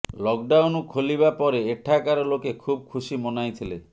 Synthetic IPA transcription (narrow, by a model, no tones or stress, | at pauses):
lɔk̚ɖawnukʰoliβapɔɾeːʈʰakaɾɔlokekʰub̚kʰusimɔnajt̪ʰile